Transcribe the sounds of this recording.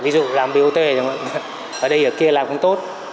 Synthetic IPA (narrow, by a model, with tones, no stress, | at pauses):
vi˨˦z̰laː˨˩mɓi˨˧˩t̪we˧˩˨ŋ̰˧˨ | ʔəː˨˩ɗə˧jʔəː˧˩ki˧əlaː˨˩mxə˧wŋ͡mt̪o˦˥t̚